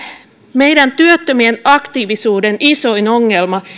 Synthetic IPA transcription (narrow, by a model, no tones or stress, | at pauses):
me̞jdænt̪yøt̪ːømienɑkt̪iːʋisuːdeniso̞inoŋːelmɑ